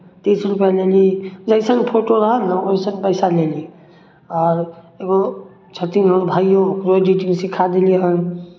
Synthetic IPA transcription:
t̪et͡ʃʰəlpəlelid͡ʒəjsə̃ŋɡpʰoʈoɾəɦənəoisə̃ŋpəjsaleli | ɔːɾ | eɡo | t͡ʃʰət̪iŋɦəɾbʱajokɾoɖiʈiŋsikʰad̪eliɦən

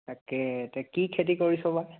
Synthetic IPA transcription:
takɛtɛkikʰet̬ikoɹisɔbaj

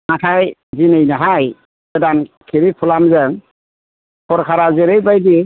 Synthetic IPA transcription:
natʰajzinejnaɦaj | ɛdankʰiɾipʰulamzəŋ | kʰɔɾkʰaɾazeɾejbajdi

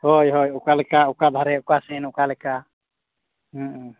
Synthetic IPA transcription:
hɔjɦojukalɛkaukad̪ʱaɾɛukasɛnukalɛka | ɦə̃

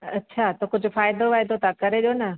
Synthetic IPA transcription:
ɐtːɕʰaːt̪okʊd͡ʑʱʊ̆faːɪd̪oʋaːjd̪ot̪akɐɾeɗijonɐ

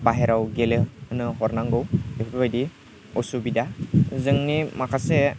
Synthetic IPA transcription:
baɦeɾawɡeleɯnɯɦɔɾnaŋɡɯwepʰbabajdi | ɔsubidazɯŋnimakʰase

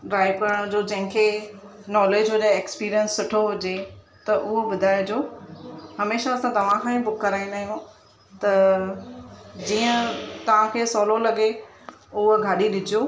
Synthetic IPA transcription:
ɖɾaːɪbkɐɾəɽ̃d͡ʑoːd͡ʑɐ̃ɦɪ̃kʰe | nɔːleːd͡ʑɦʊd͡ʑeeːkspiːɾijənsːʊʈʰoɦʊd͡ʑe | t̪ɐʔʊɦobʊd̪ʱaːjd͡ʑoː | hɐmeːʃaːsãt̪ɐʋ̤ãkʰãːĩbʊkːɐɾaːĩnd̪aːɦijũ | t̪ɐ | d͡ʑiːə̃t̪ɐʋ̤ãkʰeːsɔːlolɐɠe | ʊɦoɡʱaːɗiɗɪd͡ʑijoː

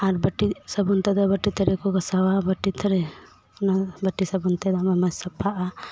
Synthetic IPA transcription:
aɾbəʈisəbunt̪ɛd̪ɔbəʈːit̪ʰəɾɛkɔɡɐsawabəʈːit̪ʰəɾɛ | nabɐʈːisɐbunt̪ɛd̪ɔmamasɐpʰːaʔa

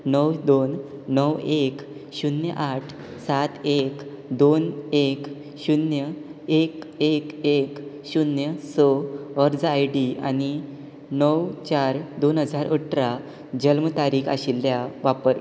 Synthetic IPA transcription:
nəwd̪onːəwek | ɕunjə̰ʔaʈʰ | sat̪ek | d̪onek | ɕunjəekekek | ɕunjəsɔəɾd͡zajɖia̰ni | nəwt͡ɕaɾd̪onɦəd͡zaɾəʈʰɾa | d͡ʑəlmət̪aɾiːka̰ɕilːjaʋapəɾ

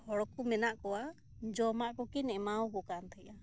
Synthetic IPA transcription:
hɔɽɔkumɛnaʔkɔwa | d͡ʒɔmaʔkɔkinɛmawkɔkant̪ʰaja

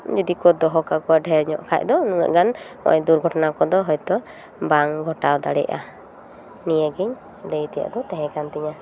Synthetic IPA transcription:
d͡ʒɔd̪ikɔd̪ɔɦɔkakɔwaɖʱɛɾɲɔ̰ʔkʰa̰c̚d̪ɔnuŋa̰ʔɡanmɔ̰ʔɔ̰ɲd̪uɾɡʱɔʈɔnakɔd̪ɔɦɔjt̪ɔ | baŋɡʱɔʈawd̪aɽɛ̰ʔa̰ | nijəɡiɲ | lejt̪ɛja̰ʔd̪ɔt̪ɛɦɛ̃kant̪iɲa

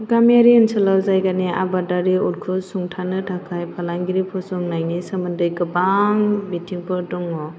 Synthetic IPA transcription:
ɡamjaɾiɯnsɯlawzajɡania̰badaɾiulkʰɯsuŋtʰanɯtʰakʰajpʰalaŋɡiɾipʰɔsɔŋnajnisamɯndɯjɡɯbaŋbitʰiŋpʰɯɾdɔŋɔ

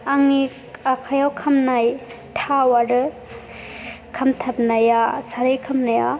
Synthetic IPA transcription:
aŋi | akʰajawkʰamnaj | tʰawaɾɯ | kʰɐmtʰap̚najasaɾɯjkʰamnaja

